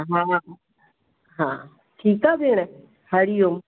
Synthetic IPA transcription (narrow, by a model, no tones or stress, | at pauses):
ɦã | ɦãː | ʈʰiːkaːbʱeːɽ̃e | hɐɽijom